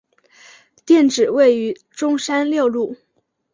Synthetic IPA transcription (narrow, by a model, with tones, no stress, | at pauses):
t̪jɛ˥˩nʈ͡ʂɻ̩˨˩we˥˩ɪy˧˥ | ʈ͡ʂʊ˥ŋʂa˥nljo˥˧ʊlu˥˩